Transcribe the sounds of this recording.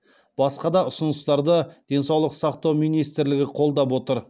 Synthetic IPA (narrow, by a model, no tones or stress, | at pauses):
b̥ɑsqɑd̪ɑʊsʊnəst̪ɑɾd̪əd̪̥e̞nsɑwlˠəqsɑqt̪ɑwmijnijst̪ɪɾlɪɡʲɪqʰo̞lˠd̪ɑpwot̪əɾ